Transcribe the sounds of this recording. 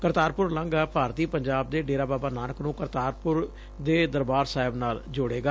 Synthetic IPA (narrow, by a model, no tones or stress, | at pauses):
kəɾt̪aːɾpʊɾlãːŋɡaːpaːɾt̪iːpəɲd͡ʒaːb̚d̪eːɖeːɾaːbaːbaːnaːnəknũːkəɾt̪aːɾpʊɾ | d̪eːd̪əɾbaːɾsaːɪbnaːld͡ʒʊɽeːɡaː